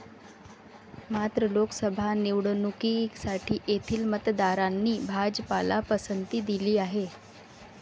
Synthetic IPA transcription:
mat̪ɾəlokəsəbʱaniwɽənukiksaʈʰiːʔet̪ʰiːlmət̪d̪aɾanːiːbʱad͡zəpalapəsənt̪iːd̪iliːaɦe

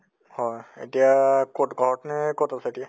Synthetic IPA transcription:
hɔjḛtijakɔtɡɔɦɔtnɛkɔtasɛetija

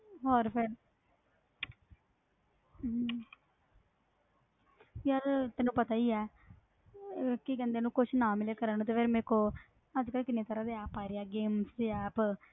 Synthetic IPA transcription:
ɦɔːɾpʰɪɾ | ad̪t̪ɛːnːũːpət̪aːiːɛː | kɪkɛ̃nd̪eːnũːkʊt͡ʃʰnãːmɪleːkəɾəñːt̪eːfʰeːɾmẽːkoː | əd͡ʒkəlkɪneːt̪əɾãːd̪eːɛːpːaːɾejaːɡeːmsiːɛːp

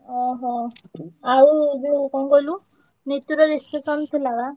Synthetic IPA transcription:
ɔ̃ɦɔ̃ | aɾud͡ʒekɔ̃ɡɔlũ | net̪juɾɔɾispesɔnt̪ʰilaɡa

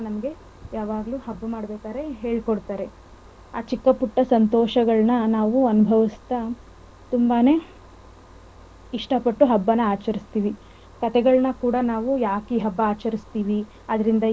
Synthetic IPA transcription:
nɐmɐɡe̞ | jaːʋaːɡɐluɦɐbːɐmaːɽbeːkaːɾe̞ɦe̞ːɭkoɽt̪aːɾe̞ | aːt͡ʃikːɐpuʈːɐsɐnt̪ɔːʃɐɡɐɭnɐnaːʋuɐnubʱɐʋist̪ɐ | t̪umbaːne̞ | iʂʈɐpɐʈːuɦɐbːɐnːɐaːt͡ʃɐɾist̪iːʋi | kɐt̪ɛɡɐɭnɐkuːɽɐnaːʋujaːkiːɦɐbːɐːt͡ʃɐɾist̪iːʋi | ɐd̪ɐɾind̪ɐ

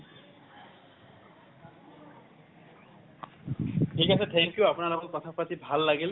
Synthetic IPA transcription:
ʈʰikasʰet̪ʰɛŋkjuapnaɾabɔnkɔt̪ʰapat̪ibʱalːaɡel

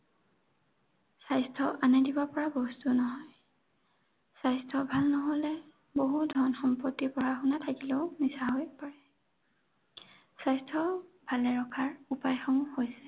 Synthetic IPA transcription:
sajstʰɔʔanadibɔpɔɹabɔstunɔɦɔj | sajstʰɔbʱalnɔɦɔlɛ | boɦudʱɔɹnxɔmpɔtːipɔɹaxunatʰakileʊmisaɦojpaɹɛ | sajstʰɔbʱalɛɹɔkʰaɹupajxɔmuhojsɛ

